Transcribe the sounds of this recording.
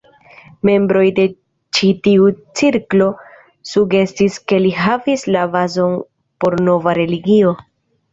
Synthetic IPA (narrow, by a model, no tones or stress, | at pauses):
me̞mbɾo̞jde̞ | t͡ʃitiut͡siɾklo̞ | suɡe̞stiske̞liɦavislavazo̞n | po̞ɾno̞vaɾe̞liɡio̞